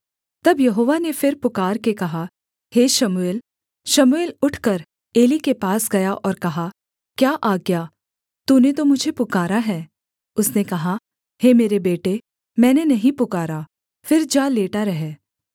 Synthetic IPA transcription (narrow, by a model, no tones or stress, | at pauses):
t̪ɐbjɐɦoːʋanefɪɾpʊkaːɾkekɐɦa | heːʃɐmueːl | ʃɐmueːlʊʈʰkɐɾ | eːlikepaːsɡɐjaʔɔːɾkɐɦa | kjaːʔaːɡjaː | t̪uːnet̪omʊd͡ʒʱepʊkaːɾaɦɛː | ʊsnekɐɦa | hemeːɾebeːʈe | mɛ̃ːnenɐɦĩpʊkaːɾa | fɪɾd͡ʒaːleːʈaɾɐɦɛː